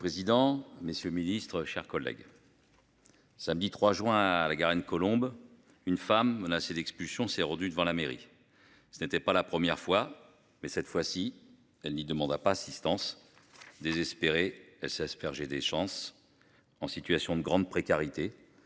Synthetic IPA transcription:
pχezid̪ɑ̃mesjøminist̪χəʃɛʁkɔlːɛ̰ɡ | samd̪it̪χwaʒwɛ̃alaɡaʁɛnkɔlɔ̃b | ynfamːənased̪ɛkspylsjɔ̃sɛʁɑ̃d̪yd̪əvɑ̃lameʁḭ | sənet̪ɛpalapχəmjɛʁfwa | mɛsɛt̪fwasi | ɛlnid̪əmɑ̃d̪apaːsist̪ɑ̃s | d̪ezɛspeʁeɛlsɛspɛʁʒed̪eʃɑ̃s | ɑ̃sit̪ɥasjɔ̃d̪əɡʁɑ̃d̪pχekaʁit̪e

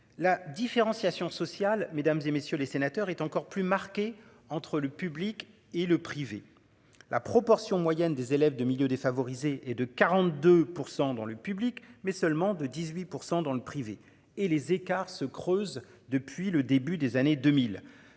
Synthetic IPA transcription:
lad̪ifeʁɑ̃sjasjɔ̃sɔsjalmed̪amzemesjølesenat̪œʁɛt̪ɑ̃kɔʁplymaʁkʲe | ɑ̃t̪χələpyblik | eləpχive | lapχɔpɔʁsjɔ̃mwajɛnd̪ezelɛvd̪əmiljød̪efavɔʁizeʔɛd̪əkaʁɑ̃t̪̚d̪øpuʁsɑ̃d̪ɑ̃ləpyblikmɛsœlmɑ̃d̪əd̪izɥipuʁsɑ̃d̪ɑ̃ləpχive | elezekaʁsəkχøz | d̪əpɥiləd̪ebyd̪ezaned̪ømil

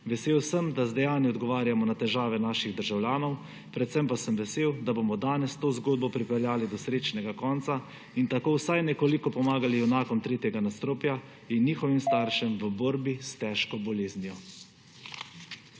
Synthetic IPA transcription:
ʋɛseːwsəmd̪azd̪ɛjaːniɔd̪ɡɔʋaːɾjamɔnat̪ɛʒaːʋɛnaːʃiɣd̪əɾʒawljaːnɔw | pɾɛt̪sɛmpasəmʋɛseːwd̪abomɔd̪aːnɛst̪oːzɡoːd̪̚bɔpɾipɛɾjaːlid̪ɔsɾeːt͡ʃnɛɡakɔːnt̪sa | int̪akoːwsajnɛkolikɔpɔmaːɡaliɛwnaːkɔmt̪ɾeːt̪jɛɡanast̪ɾoːpja | inːixɔʋimst̪aːɾʃɛmʋəboɾbist̪ɛʃkɔbɔleːznijɔ

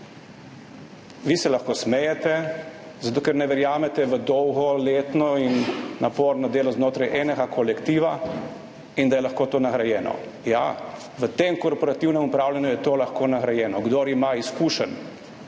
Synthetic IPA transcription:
ʋisɛlaxkoːsmɛjɛt̪ɛ | zat̪oːkɛɾnɛʋɛɾjaːmɛt̪ɛʋəd̪ɔwɣɔleːt̪nɔinːapoːɾnɔd̪eːlɔznoːt̪ɾajʔɛnɛɡakʰɔlɛkt̪iːʋa | ind̪ajɛlaxkoːt̪oːnaɣɾajɛːnɔ̰ | ja̰ | ʋət̪emkɔɾpɔɾat̪iwnɛmupɾaːwlʲanjujɛt̪oːlaxkoːnaɣɾajɛːnɔɡd̪oːɾimaiskuːʃən

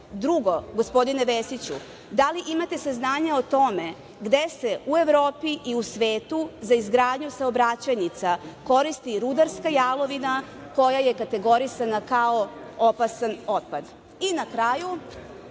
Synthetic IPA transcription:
d̪ɾuɡo̞ɡospo̞d̪ine̞ʋesit͡ɕṵ | d̪aliʔimat̪e̞saznaːɲao̞t̪o̞me̞ | ɡd̪e̞se̞ue̞ʋɾo̞ːpiʔiusʋe̞ːt̪uzaizɡɾaːd̪ɲusaobɾat͡ɕajnit̪sako̞ɾist̪iɾud̪aɾskajaːlo̞ʋina | ko̞jaje̞kat̪e̞ɡo̞ɾisanakaoo̞pasano̞t̪̚pad̪ | inakɾaːju

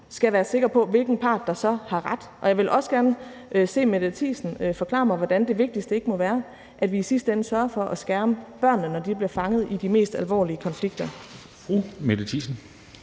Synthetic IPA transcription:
sɡ̥æʋæːɐse̝ɡ̥ɐpʰɒ̽ʋe̝lɡ̥n̩pʰɑ̈ːd̥ːɑ̈sɒ̽hɑ̈ʁɑd̥ʔɒ̽jɑ̈ɪʋe̝lʔɒ̽səɡ̥æɐnəʔse̝̰ːme̥æt͡sʰḭːsn̩fɒ̽kʰlɑ̰̈ːmɑ̈ɪʋɒd̥ænd̥e̝ʋe̝ɡ̥̚d̥isd̥əe̝ɡ̥əmɒ̽ʋæːɐ | ʔæd̥ʋiːsisd̥əensɶɐɐfɒ̽ʔæsɡ̥æɐməb̥ɶɐ̰nːənɒd̥ib̥liɐfɑ̈ŋəð̞̩ˠid̥ime̝̰ːsd̥ælʋɒ̰ːliəkʰɒ̽nfliɡ̥̚d̥ɐ | fʁumedˠt͡sʰisn̩

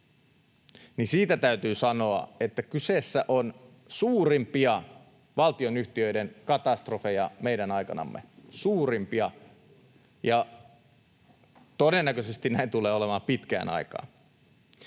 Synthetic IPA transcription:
nisiːt̪æt̪æyt̪yːsɑnoɑ̰et̪ːækysesːæʔon | suːrimpiɑ | ʋɑlt̪ionyht̪iøidenkɑt̪ɑst̪rofejɑmeiɾænɑikɑnɑ̰mːḛsuːrimpiɑ | jɑ | t̪odenːækøsest̪innæint̪uleːolemɑːmpit̪kæ̰ːnʔɑ̰ikɑ̰ːn

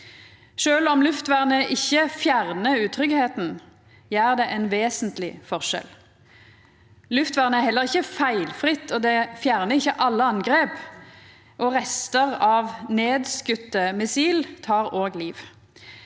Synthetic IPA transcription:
ʃøːlɔmlʉft̪ʋæʁnəʔɪçːəfjæʁnəʉːt̪ʰʁʏɡheːt̪n̩ | jæːʁd̪ɛʔɛnʋeːsənt̪lɪ̰fɔʁʂɛ̰l | lʉft̪ʋæːʁnəæhɛlːəʁɪçːəfæɪlfʁɪt̪ːɔd̪ɛfjæːʁnəʁɪçːəʔɑlːəɑŋɡʁeːp | ʔɔʁɛst̪əʁɑːʋneːd̪skʉt̪ːəmɪsiːlt̪ʰɑːʁoːɡliːʋ

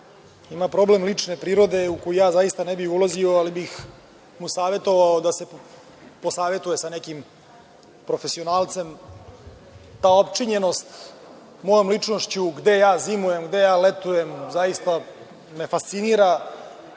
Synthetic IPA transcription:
imapɾo̞ble̞mlit͡ʂne̞pɾiːɾo̞d̪e̞uko̞jijaːzaist̪anebixulazio̞alibix | musaːʋe̞t̪o̞ʋaod̪ase̞ | po̞saːʋe̞t̪ujesane̞kim | pɾo̞fe̞sio̞naːlˠt̪se̞m | t̪aːopt͡ʃiɲe̞no̞st̪ | mo̞jomlit͡ʂnoʃt͡ɕuɡd̪e̞jaːzimuje̞mɡd̪e̞jaːlet̪uje̞mzajist̪a | me̞fast̪siniːɾa

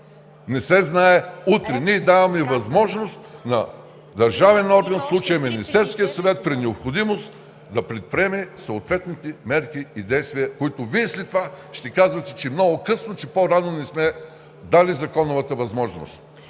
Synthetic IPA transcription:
nɛsɛznaɛut̪ɾɛniɛd̪avɐmɛvɐzmɔʒnost̪nɐ | d̪ɐɾʒavɛnɔɾɡɐnfslˠut͡ʃɐjɐminist̪ɛɾskijəsɐvɛt̪̚pɾinɛopxod̪imost̪ | d̪ɐpɾɛt̪̚pɾʲiɛmɛsoot̪vɛt̪nit̪ɛmɛɾkiid̪ɛjst̪viɐkoit̪ʊviɛslɛt̪ovaʃt̪ɛkazvɐt̪ɛ̥t͡ʃɛmnɔɡokɤsnot͡ʃɛpoɾanonɛsmɛ | d̪alizɐkɔnovɐt̪əvɐzmɔʒno̰st̪

